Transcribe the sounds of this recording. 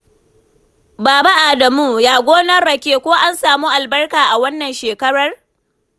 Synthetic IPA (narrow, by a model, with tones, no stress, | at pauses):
baː˨ba˦ʔa˨dɐ˨muː˦jaː˦ɡʷoː˦nɐ˦ɽɐ˨kʲeː˦kʷoː˦ʔa˦nsaː˨muː˦ʔa˨lbɐ˦rkaː˨ʔa˨wɐ˦nːɐ˨nʃeː˨kɐ˦ɾɐ˦r